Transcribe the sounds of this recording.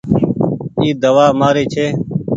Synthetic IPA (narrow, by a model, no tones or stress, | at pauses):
iːd̪əʋaːmaːɾeːt͡ʃʰeː